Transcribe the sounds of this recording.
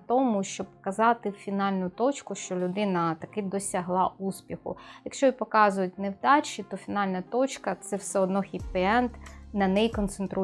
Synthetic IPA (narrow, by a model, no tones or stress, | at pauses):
t̪ɔmʊʃt͡ʃɔbpɔkɐzɑt̪ɪfʲinɑlʲnʊt̪ɔt͡ʃkʊʃt͡ʃɔlʲʊd̪ɪnɐt̪ɐkɪd̪ɔsʲɐɦlˠɑuspʲixʊ̰jɐkʃt͡ʃɔipɔkɑzʊjʊtʲnewd̪ɑt͡ʃit̪ɔfʲinɑlʲnɐt̪ɔt͡ʃkɐt̪sɛwsɛɔd̪nɔxʲipɛɛnt̪nɐnɛjkɔnt̪sent̪ɾʔu